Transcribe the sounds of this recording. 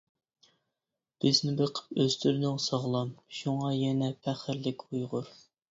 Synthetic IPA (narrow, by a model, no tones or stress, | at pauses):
b̥ɪznɪbəqʰə̥pøzt̪ʰyɾnɪŋsɑʁlˠɑmʃuŋɑjɛnɛpʰæχɪɾlɪkʲʰujʁʊɾ